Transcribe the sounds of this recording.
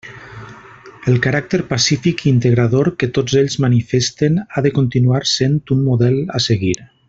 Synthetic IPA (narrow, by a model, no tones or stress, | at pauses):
əlˠkaɾak̚t̪əɾpasifikint̪əɣɾaðoɾkət̪od͡zeʎzmanifest̪enaðəkunt̪inuaɾsent̪unmuðɛla̰seɣiɾ